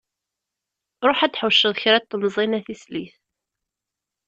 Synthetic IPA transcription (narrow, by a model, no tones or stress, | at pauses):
ɾˤoħæd̪ħəʃːəðˤçɾæt̪ˤːəmzˤinæθisliθ